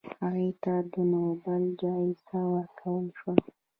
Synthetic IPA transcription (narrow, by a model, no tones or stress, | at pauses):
haɣet̪ad̪ənobəld͡ʒɑɪzawəɾkʰawəlʃwa